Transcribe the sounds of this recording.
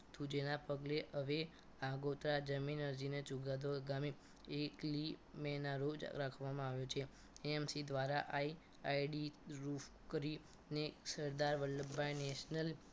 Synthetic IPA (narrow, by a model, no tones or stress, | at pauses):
t̪ʰud͡ʒenapəɡleəʋe | aɡot̪ɾad͡ʒəminəɾd͡ʒinet͡ʃuɡad̪oɡami | eklimenaɾod͡ʒ̰ɾakʰʋamãaʋjot͡ʃʰe | eemsid̪ʋaɾaʔai | aiɖiɾuf | kəɾi | nesəɾd̪aɾʋəɾləbːajneʃnəl